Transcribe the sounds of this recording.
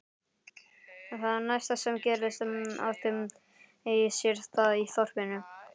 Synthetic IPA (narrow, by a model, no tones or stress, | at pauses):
θaðaɾnajst̪asɛmcɛːɾlɪsma̰wt̪ɪm | ejɪsjɛɾ̥θaðiθɔr̥pɪnʏ